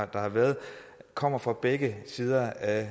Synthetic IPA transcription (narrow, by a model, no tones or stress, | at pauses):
d̥ɑ̈hɑ̈ʋæːɐðˠkʰɒ̽m̰ɐfʁɑ̈b̥eɡ̥əsiːð̞ˠɐæ